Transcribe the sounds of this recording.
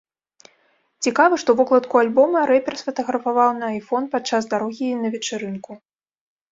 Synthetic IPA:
t͡sʲikavɨʂt̪ɔvɔklˠɐt̪kualʲbɔmɐɾɛpʲɛrsfɐt̪ɐɣɾɐfavawnɐːjfɔnpat̪t͡ʂːazd̪aɾɔɣʲinɐvʲɛt͡ʂɨɾɨnku

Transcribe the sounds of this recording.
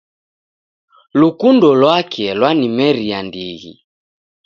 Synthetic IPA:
lukundɔlwakʰɛlwanimɛɾiandiɣḭ

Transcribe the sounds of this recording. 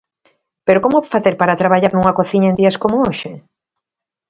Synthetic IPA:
peɾokomofaθeɾpaɾat̪ɾaβaʎaɾnuŋɐkoθiɲɐend̪iɐskomooʃe

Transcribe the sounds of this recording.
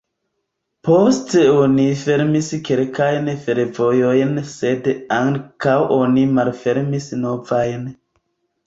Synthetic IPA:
po̞steo̞nife̞ɾmiske̞lkajnfe̞ɾvojo̞jnse̞daŋkawʔo̞nimalfe̞ɾmisno̞vajn

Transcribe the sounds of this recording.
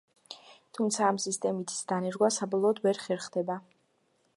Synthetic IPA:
t̪ʰumt̪sʰaːmsist̪ʼɛmit̪ʰi̥sd̪anɛɾɡwasabɔlˠɔːd̪vɛɾχɛɾχd̪ɛba

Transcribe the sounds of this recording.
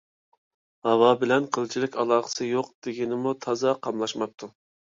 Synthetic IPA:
hɑwɑbɪlɛnqʰəlˠt͡ʃʰilɪkʲʰɑlˠɑːχə̥sɨjoqd̪̥ɪɡʲinɪmut̪ʰɑzɑqʰɑmlˠɑʃmɑp̚t̪ʰu

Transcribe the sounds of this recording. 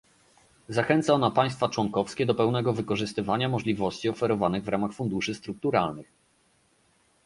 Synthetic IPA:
zaxɛnt̪saɔnapaj̃st̪fat͡ʂwɔŋkɔfskʲɛd̪ɔpɛwnɛɡɔvɘkɔʐɘst̪ɘvaɲamɔʐlʲivɔɕt͡ɕiɔfɛɾɔvanɘɣvɾamaxfund̪uʂɘst̪ɾuk̚t̪uɾalnɘx

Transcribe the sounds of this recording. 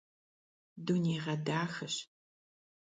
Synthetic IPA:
duneːʁɐdaːxɨɕ

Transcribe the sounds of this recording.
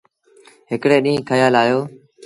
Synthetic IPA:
ɦɪkɽeːɗĩːkʰəjaːlaːjoː

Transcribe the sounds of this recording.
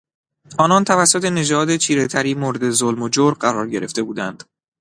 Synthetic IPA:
ɒːnɒːnt̪ʰævæsːot̪ʰe̞ne̞d͡ʒɒːd̪e̞t͡ʃʰiːɾe̞t̪ʰæɾiːmoːɾe̞d̪ezolmod͡ʒoɾɢæɾɒːɾɟe̞ɾe̞ft̪e̞buːd̪ænd̪̥

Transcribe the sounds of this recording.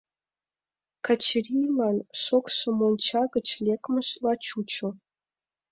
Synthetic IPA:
kat͡ɕrʲijlˠɑnʂokʂŏmolʲˠt͡ɕɑɡə̆t͡ɕlʲekmə̆ɕlˠɑt͡ɕut͡ɕŏ

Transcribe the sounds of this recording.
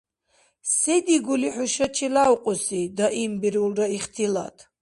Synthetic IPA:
sɛd̪iɡuliħuʃat͡ʃʰilawqʼusid̪aʔimbiɾulɾaiχt̪ʰila̰t̪ʰ

